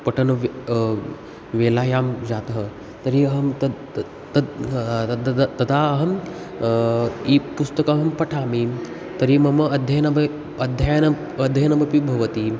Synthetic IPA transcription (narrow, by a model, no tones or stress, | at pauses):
pɐʈʰɐnɐʋ | ʋeːlaːjaːmd͡ʒaːt̪ɐɦɐ | t̪ɐɾiɐɦɐmt̪ɐ | t̪ɐɐd̪t̪ɐd̪aːɐɦɐm | ipust̪ɐkaɦɐmpɐʈʰaːmi | t̪ɐɾimɐmɐɐd̪ʱjɐjɐnɐbɐ | ɐd̪ʱjajanɐ | ɐd̪ʱjɐjɐnɐbʱɐpibʱɐʋɐt̪i